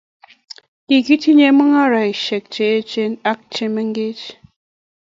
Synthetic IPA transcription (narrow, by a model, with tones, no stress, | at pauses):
ki˨ki˦ti˦ɲe˦mɨ˦ŋa˦ɾa˨i˨ʃe˨k̚t͡ʃe˨˦e˦t͡ʃe˦na˦k̚t͡ʃe˦mə˦ŋ˦ɡe˦t͡ʃ